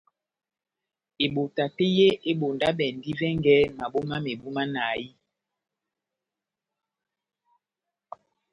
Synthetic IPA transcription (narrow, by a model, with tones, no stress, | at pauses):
e˨ɓo˨ta˨te˦je˦ʔe˦ɓo˨nda˦ɓɛ˨n˦di˦vɛ˦ŋɡɛ˦ma˨ɓo˦ma˦me˨ɓu˦ma˦na˨ji˦